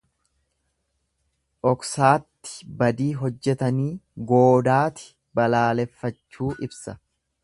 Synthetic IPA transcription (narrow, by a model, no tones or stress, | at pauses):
ʔɔksaːt̪ːɪ̥bɐd̪iːɦɔd͡ʒːɛt̪ɐniːɡo̞ːd̪aːt̪ɪ̥ | bɐlaːlɛfːɐt͡ʃːuːʔɪbsɐ